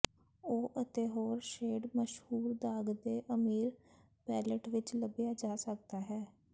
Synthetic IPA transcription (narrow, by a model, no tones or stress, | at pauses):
oːʔət̪eːɦoːɾʃeːɖməʃhuːɾd̪aːɡd̪eːʔəmiːɾ | pɛːləʈʋɪt͡ʃləbɪjaːd͡ʒaːsək̚d̪aːɦɛː